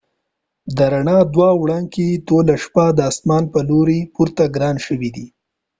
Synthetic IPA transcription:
d̪əɾaɳɑd̪wɑwɽɑŋket̪olaʃpad̪əasmɑnpəloɾepuɾt̪aɡɾɑnʃəwid̪i

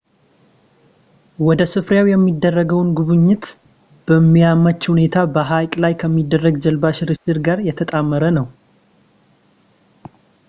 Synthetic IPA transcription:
wɔd̪əsɨfɾjawjɛmːid̪ːərːəɡəwnɡuβɨɲːɪt̪ | b̥əmːijamət͡ʃːhune̞t̪ʰabəɦajkʼlajkʰəmːid̪ːərːəɡd͡ʒɛlbaʃɾɨt̪ɨɾɡaɾjɛt̪ʰət̪ʼamːəɾənəw

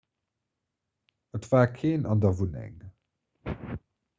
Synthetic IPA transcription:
ətv̥aːkʰeːnɑndɐvunɛ̰ŋ

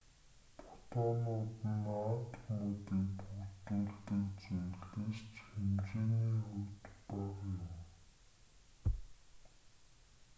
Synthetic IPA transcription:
pʰʊ̥t̪ɔːnʊːt̪ə̆nat̪xumʊːt̪iːkpʰuɣt̪uːɮt̪ɘ̆kt͡sujɮeːst͡ɕxemt͡ɕeːniːxut̪paʁjʊm

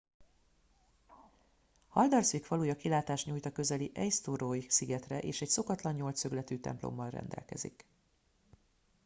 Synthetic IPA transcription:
hɒld̪ɒrsikfɒluːjɒkilaːt̪aːʃɲuːjt̪ɒkø̞zɛliʔɛjst̪urojsiɡɛt̪rɛʔeːʃɛcso̞kɒt̪lɒɲːo̞lt̪søɡlɛt̪yːt̪ɛ̰mplo̰mːɒlrɛ̰nd̪ɛ̰lkɛ̰zḭk

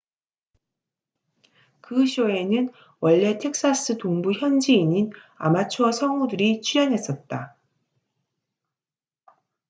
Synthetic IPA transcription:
kɯɕʰoe̞nɯn | wʌɭːe̞tʰe̞k̚s͈as͈ɯtoŋbuçjʌnd͡ʑiːɲina̰mat͡ɕʰʌsʰʌŋudɯɾit͡ɕʰiɾjʌnɦe̞s͈ʌt̚t͈a

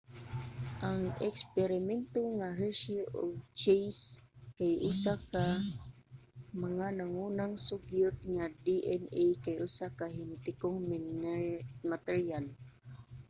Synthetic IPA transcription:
ʔaŋɛkspɛɾɪmɛnt̪oŋaɾeʃoʔoɡ̚t͡ʃejskajʔʊsaka | maŋanaŋunaŋsʊɡjʊt̪̚ŋad̪iʔɛnejkajʔʊsakahɪnt̪ɪkoŋm | mat̪ɛɹial

